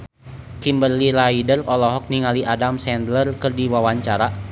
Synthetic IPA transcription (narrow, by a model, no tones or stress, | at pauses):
kimbərlilaidərɔlɔɦɔk̚niŋaliʔadamsɛnd̪lərkərdiwawaɲt͡ʃaɾa